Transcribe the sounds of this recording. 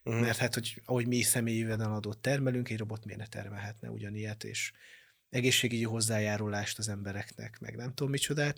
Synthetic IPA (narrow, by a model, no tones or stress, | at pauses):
mɛrt̪haːt̪ho̞ɟɒɦo̞ɟmisɛmeːjyvɛd̪ɛnɒd̪oːt̪ːɛrmɛlyŋkɛɟro̞bo̞t̪mij̰nɛt̪ɛ̰rmɛlɦɛt̪nɛ̰ṵɟɒnijɛt̪ḛːʃ | ɛɡeːʃːeːɡyɟiɦo̞zːaːjaːɾulaːʃt̪ɒzɛmbɛɾɛknɛ̰kmɛ̰ɡnɛmt̪oːmːit͡ʃo̞d̪aːt̪